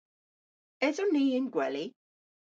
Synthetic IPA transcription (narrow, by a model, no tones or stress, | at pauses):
ɛðʊniːɪnɡwɛli